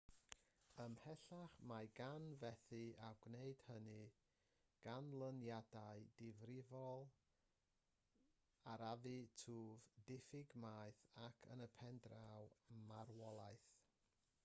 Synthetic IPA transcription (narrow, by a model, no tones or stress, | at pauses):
əmhɛɬaχmaɡanvɛθɨaɡ̥neɨd̥hənɨ | ɡ̥anlˠənjadaɨdɪvrɪvɔlˠ | aɾavɨtʰuːvdɪfɪɡmaːjθakʰənəpʰɛndrawmarwɔlˠajθ